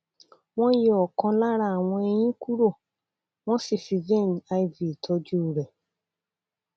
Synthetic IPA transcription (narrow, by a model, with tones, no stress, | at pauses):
w̃ɔ̃˦je˦ɔ˨kɔ̃˧la˦ɾa˦a˨w̃ɔ̃˧ɛ˧j̃ĩ˦ku˦ɾo˦˨ | w̃ɔ̃˦si˦˨fi˧vẽ˦˨n˨a˧i˨vi˨tʰɔ˧˦d͡ʒu˦˨ɾɛ˨